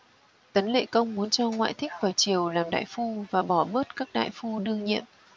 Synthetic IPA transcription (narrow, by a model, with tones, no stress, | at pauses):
t̪ə˨˦nlḛ˧˨kə˧wŋ͡mmu˨˦ənt͡ɕɔ˧ŋwa̰ː˧˨jt̪ʰï˦˥k̚faː˨˩jt͡ɕi˨˩əwlaː˨˩mɗa̰ː˧˨jfu˧vaː˨˩ɓɔ˧˩ɓəː˦˥t̚kaː˦˥k̚ɗa̰ː˧˨jfu˧ɗɨ˧əŋɲḭ˧˨əm